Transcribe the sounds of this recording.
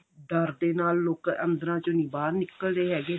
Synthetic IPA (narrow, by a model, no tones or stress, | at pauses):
ɖ̪əɾd̪eːnaːlːoːkənd̪əɾãːt͡ʃõːnĩːbaːɾnɪkəld̪eːɦɛːɡeː